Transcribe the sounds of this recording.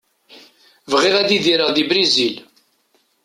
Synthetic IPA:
vʁɪʁæðiðiɾəʁðibɾizil

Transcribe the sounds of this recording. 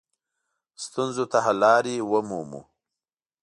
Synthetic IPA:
st̪unzot̪aɦalɑːɾiwəmumṵ

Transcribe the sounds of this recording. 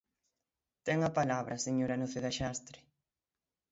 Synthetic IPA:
t̪ɛŋapalaβɾʔaseɲoɾanoθeðaʃast̪ɾɪ̥

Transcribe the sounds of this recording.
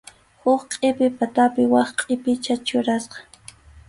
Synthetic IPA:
hʊχqʼɪpɪpat̪apɪwɑχqʼɪpɪt͡ʃat͡ʃʊɾasqɑ̥

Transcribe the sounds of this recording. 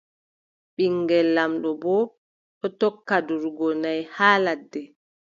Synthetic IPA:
ɓiŋɡɛlːamɗɔbɔ | ɗɔtɔkːaduɾɡɔnajhaːladːɛ

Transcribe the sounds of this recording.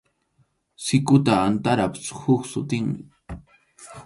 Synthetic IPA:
sɪkʊt̪aːnt̪aɾapshʊksʊt̪ɪŋmɪ

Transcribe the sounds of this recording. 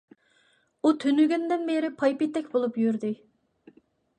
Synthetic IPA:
ut̪ʰønyɡʲynd̪ɪnbeɾɪpʰɑjpit̪ːɛkʲbolˠupjyɾd̪ɪ

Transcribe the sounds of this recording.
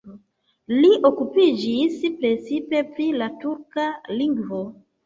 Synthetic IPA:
liʔo̞kupid͡ʒispɾe̞sipe̞pɾilatuɾkaliŋɡvo

